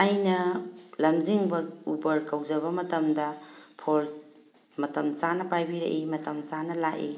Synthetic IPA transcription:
ajnɐlɐmziŋbɐubɐɾkɐwd͡ʒɐbɐmɐtɐmdɐpʰol | mɐtɐmsanɐpajbiɾḛʔimɐtɐmsanɐlaʔi

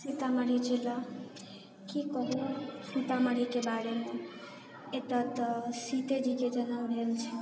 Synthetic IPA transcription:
sit̪aməɾit͡ʃelə | kikəɦesit̪aməɽikebaɾeme | et̪ət̪sit̪ed͡ʒiked͡ʒənəwɾelt͡ʃʰɛ

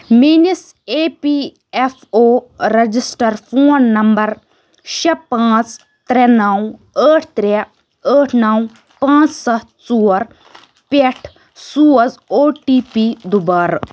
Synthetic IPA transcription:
minis | eːpi | efoːɾɐd͡ʒisʈɐɾfoːnːɐmbɐɾ | ʃɐpãːt͡s | t̪ɾenɐw | əːʈʰt̪ɾe | əːʈʰnɐw | pãːt͡ssɐ | t͡suːɐɾ | peʈʰ | suːɐd͡zoːʈipid̪ubɐɾ

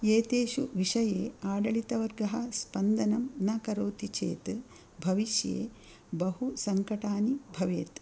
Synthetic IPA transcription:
eːt̪eːʃuʋiʂɐjeːaːɖɐɭit̪ɐʋɐɾɡɐɦɐspɐnd̪ɐnɐmnɐkɐɾoːt̪it͡ʃḛːt̪ | bʱɐʋiʃjḛː | bɐhusɐŋkɐʈaːnibʱɐʋḛːt̪

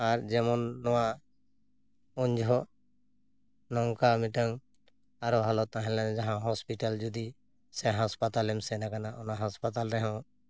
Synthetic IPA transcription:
aɾd͡ʒɛmɔnːɔwa | ɔɲd͡ʒʱɔ | nɔŋkamiʈəŋ | aɾɔɦalɔt̪ãɦɛ̃lland͡ʒaɦãɦɔspiʈald͡ʒud̪i | sɛɦaspat̪alɛmsɛnakanaʔɔnaɦaspat̪alɾɛɦɔ̃w

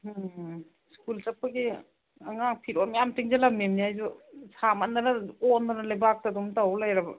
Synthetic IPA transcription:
skult͡ʃɐpːɐɡi | aŋak̚pʰiɾomjamtiŋzelɐmimniajzusamɐnd̪ɐnɐondɐnɐlajbak̚tadumtawlajɾɐbɐ

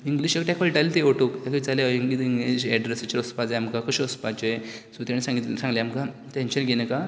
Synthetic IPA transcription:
iŋɡliɕjekʈɛkʋalʈalit̪eoʈok̪akəit͡saleiŋɡit̪iŋɡliɕɛɖɾesat͡ɕeɾɔspad͡zajamkakoɕɔspat͡ɕesut̪aɽisãŋɡit̪lsãŋɡljamka | t̪ẽɲt͡ɕənɡʱenəka

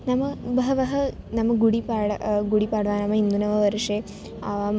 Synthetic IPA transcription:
nɐmːɐʋɐɦɐʋɐɦɐ | nɐmːɐɡuɽipaːɽɐɡuɽipaːɽʋaːnɐmːɐind̪unɐʋɐʋɐɾuʂeː | aːʋaːm

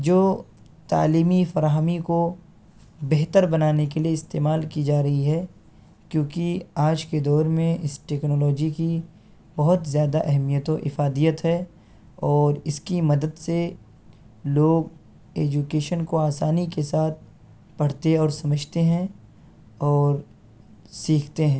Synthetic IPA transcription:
d͡ʒoː | t̪a̰ːliːmifɐɾaːɦəmiko | bɛɦt̪əɾbɐnaːnekelieɪst̪eːmaːlkid͡ʒaːɾɐɦiɦɛ | kjõːkiaːd͡ʒked̪ɔːɾmẽʔɪsʈeːknɔːlɔːd͡ʒiki | bɐɦʊt̪zjaːd̪aʔɛɦɛmijət̪õʔɪfaːd̪ijət̪ɦɛ | ɔːɾɪskimɐd̪əd̪se | loːɡ | eːd͡ʒukeːʃənkoaːsaːnikesaːt̪̚ʰ | pɐɽ̤t̪eɔːɾsɐməd͡ʒʱt̪eɦɛ̃ | ɔːɾ | siːkʰt̪eɦɛ̃ː

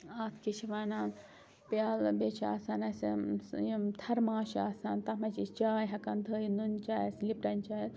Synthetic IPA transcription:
aːt̪ʰkit͡ʃʰiʋaːnan | pjaːlbet͡ʃʰa̰ːsaːnɐs | t̪ʰɐɾmaːʃaːsaːnt̪ɐmɐt͡ʃist͡ʃaːjɦɐkɐnd̪ʱəːjinunt͡ʃaːjslipɾɐnt͡ʃaːjs

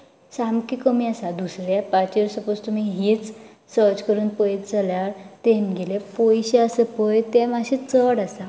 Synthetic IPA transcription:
samkikəmiːasad̪usɾɛpat͡ɕiɾsəpost̪um̤iɦit͡s | səɾt͡ɕkəɾuːnpəjt͡saljaɾt̪enɡelepojɕeasəpəjt̪ɛmaɕet͡səɽasa

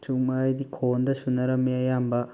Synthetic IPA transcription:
t͡ʃuŋmajdikʰondɐsunːɐɾɐmːeɐjambɐ

